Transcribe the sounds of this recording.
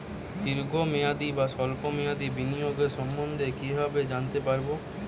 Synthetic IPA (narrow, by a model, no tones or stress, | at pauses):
d̪iɾɡʱomead̪ibaʃɔlpomead̪ibinijoɡeɾʃɔmbond̪ʱekibʱabed͡ʑant̪epaɾbo